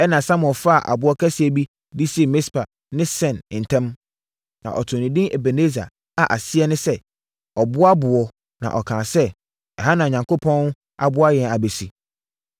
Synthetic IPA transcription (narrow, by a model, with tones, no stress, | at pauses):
ɛ˦nã˨sã˦mʊ̃˨ɛ˨fa˦a˨ʔa̰˨bʊ˦ɔ˦kʰæ˦sɪ˨ɛ˨bi˦ | di˦si˦˨mɪ̃˦spʰa˨ | nɪ̃˦sɛ̃˨n˨n̩˨tʰɛ̃˦m | nã̰˨ʔɔ˨tʰʊ̃˨nĩ˨dɪ̃˦e˨be˨ne˦za̰˨ | a˨ʔa˨sɪ˦ɛ˦nɪ̃˦sɛ˦ | ɔ˨bʊ˦a˦bʊ˨ɔ˨ | nã̰˨ʔɔ˨kʰã˨sɛ˦ | ɛ˨ɦa˦nã˨ɲã˨ŋko˦pʰɔ̃˦n˦ | a˨bʊ˦a˦jɛ̃˨na˨be˨si˨